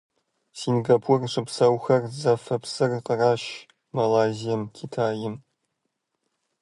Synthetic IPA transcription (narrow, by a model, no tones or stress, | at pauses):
sinɡapʰurʂɨpsɐwxɐrzɐfɐpsɨrqəraːʃ | mɐlaːzijɐmkʲʰitʰaːjɪm